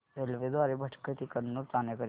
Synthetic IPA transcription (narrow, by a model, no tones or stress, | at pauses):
elʋed̪ʋaɾebʱəʈʰkət̪ʰikəɾnuɾt͡s̪anekə